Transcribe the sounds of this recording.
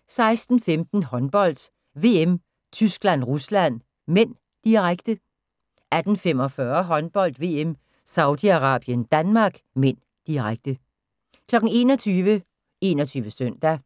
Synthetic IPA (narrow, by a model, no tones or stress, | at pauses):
sɑ̈ɪsd̥n̩femd̥n̩hɒ̽nb̥ɒ̽l̰d̥ | ʋe̝ːem | t͡sʰysɡ̥læn̰ʁuslæn̰ | men̰ | d̥iʁaɡ̥d̥ə | æd̥n̩femɒ̽fɶːɐɦɒ̽nb̥ɒ̽l̰d̥ʋe̝ːem | sɑ̈ʊd̥iɑ̈ʁɑ̈ːb̥jənd̥ænmɑ̈ːɡ̥men̰ | d̥iʁaɡ̥̚d̥ə | kʰlɒ̽ɡ̥n̩e̝ːnɒt͡sʰyːʋə | e̝̰ːnɒt͡sʰyːʋəsøn̰d̥æ